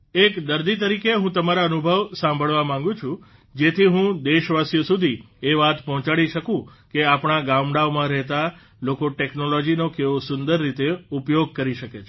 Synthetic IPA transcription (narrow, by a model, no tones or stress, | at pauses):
ekd̪əɾd̪it̪̬əɾikeɦũt̪əmaɾaənubʱəʋsãmbʱəɭʋamãŋɡũt͡ʃʰũ | d͡ʒet̪ʰiɦũd̪eʃʋasjəsud̪ʱi | eʋat̪pɔɦɔ̃t͡ʃaɽiʃəkũkeapɳ̃aɡamɽaʋmãɾɛɦt̪a | lokoʈeknolɔd͡ʒinokeʋosʊnd̪əɾːit̪eupjoɡ̚kəɾiʃəket͡ʃʰ